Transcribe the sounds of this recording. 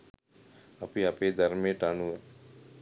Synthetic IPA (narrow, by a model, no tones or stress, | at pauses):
ɐpiɐpeːd̪ɐɾmẽʈanuɛ